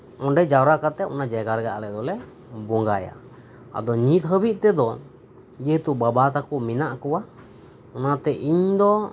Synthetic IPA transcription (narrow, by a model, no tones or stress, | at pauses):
ɔɳɖɛd͡ʒawɾakat̪ɛɔnad͡ʒɛɡaɾɡaʔalɛd̪ɔlɛ | bɔŋɡaja̰ | a̰d̪ɔɲit̪̚ɦəbiʔ̪̚t̪ɛd̪ɔ | d͡ʒɛɦt̪ubabat̪akuʔminaʔkɔwa | ɔnat̪ɛʔiɲd̪ɔ